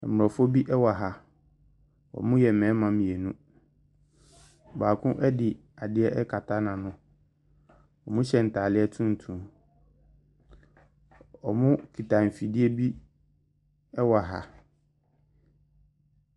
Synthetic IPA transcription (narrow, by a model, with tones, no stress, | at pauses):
ɛ˨m˨ɔ˨fɔ˦bi˦ʔɛ˦wa˨ɦa˨ | ɔ̰˨mʊ̃˦jɛ˨mɛ̃ː˨˦mã˨mĩ˨ɛ˨nũ˦ | baː˨kʰʊ̃˦ʔɛ˦dɪ˨ | a˨dɪ˦ɛ˦ʔɛ˦kʰa˨tʰa˦nã˨nʊ̃˦ | ɔ˨mʊ̃˦ɕɛ˨n̩˨tʰaː˨lɪ˦ɛ˦tʰũ˦n̩˨tʰũ˨ | ɔ˨mʊ̃˦kʰi˨tʰa˨m̩˨fi˨dɪ˦e˦bi˦ | ɛ˦wa˨ɦa̰˨